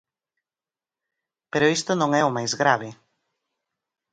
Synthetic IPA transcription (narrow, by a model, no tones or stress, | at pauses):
peɾʊist̪ʊnõŋɛʊmajzɣɾaβ̞ɪ